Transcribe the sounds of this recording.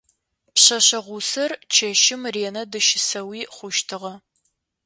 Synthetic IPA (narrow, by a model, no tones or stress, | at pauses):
pɕɐɕɐʁʷʊsɐrt͡ʃʰɐʃɪmreːnɐdɨʃɪsɐwiːχʷʊʃtʰɨʁɐ